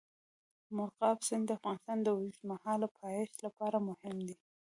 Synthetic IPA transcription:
mʊɾqɑfsɪnd̪əafɣɑnɪst̪ɑnd̪əwzmahɑlapʰɑeʃlapɑɾamʊhɪmd̪i

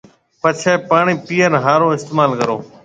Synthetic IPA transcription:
pət͡ʃʰeːpaːɳiːpiːəɾɦaːɾõːɪst̪eːmaːlkəɾoː

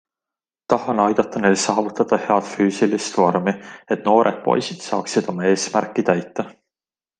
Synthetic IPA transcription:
t̪ɑhɑnɑjd̪̥ɑt̪ːˑɑneːlsɑːvut̪ːˑɑd̪̥ɑhe̞ɑt̪fyːsilist̪vo̞rmie̞t̪no̞ːɾʔed̪̥̚po̞̰jsid̪̥sɑːksid̪̥o̞mɑe̞ːsmærkːˑit̪æjt̪ːˑɑ

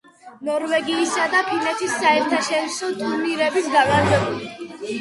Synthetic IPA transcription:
nɔɾvɛɡiːsad̪apʰinɛt̪ʰisːaɛɾt̪ʰaʃɛɾisɔt̪ʰʼuɾniɾɛbisɡanaɾzɛbuli

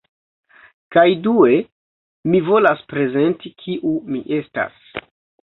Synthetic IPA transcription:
kajdue̞ | mivo̞laspɾe̞ze̞ntikʰiʔumiʔe̞sta̰s

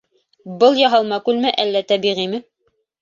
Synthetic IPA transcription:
bɤlˠjɑɦɑlˠmɑkʉlmæʔælːæt̪æbiʁimɘ

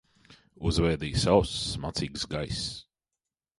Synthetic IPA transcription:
uzvɛːd̪iːsawsmat̪siːɡsɡajs

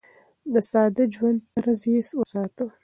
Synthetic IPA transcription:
d̪əsɑːd̪ad͡ʒwand̪̚paɾazeswəsɑːt̪ə

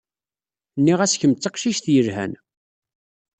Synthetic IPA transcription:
nːiʁæsçəmt͡sːɑqʃiʃθjəɾɦæ̰n

